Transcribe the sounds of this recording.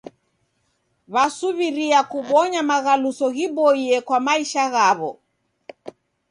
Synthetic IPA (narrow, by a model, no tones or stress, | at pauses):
βasuβiɾiakuβɔɲamaɣalusɔɣiɓɔiɛkwamaiʃaɣaβɔ